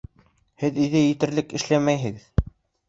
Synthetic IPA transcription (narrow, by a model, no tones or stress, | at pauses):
hɘðiðɘjɘ̆t̪ɘ̆ɾlɘkɘ̆ʃlæmæjɦɘ̆ɡɘð